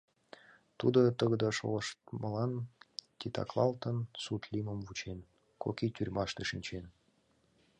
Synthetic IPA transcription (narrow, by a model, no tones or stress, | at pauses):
t̪ud̪ot̪əɣəd̪əʃo̰ləʃt̪məlɑnt̪ʲit̪ɑ̰klˠɑlt̪ənsut̪liməmvut͡ɕen | kokʲit̪ʲyrʲmɑʃt̪eʃinʲt͡ɕen